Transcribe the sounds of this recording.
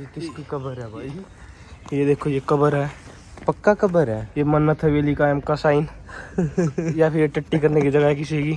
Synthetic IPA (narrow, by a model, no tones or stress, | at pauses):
ikɪskikɐbəɾɦɛbʱaːi | jed̪eːkʰojekɐbəɾɦɛ | pɐkːakɐbəɾɦɛːjemɐnːət̪ʰɦɛʋeːlikaːjəmkasaːɪn | japʰɪɾjeʈɐʈːikɐɾnekid͡ʒɐɡaɦekɪsiɦeɡiː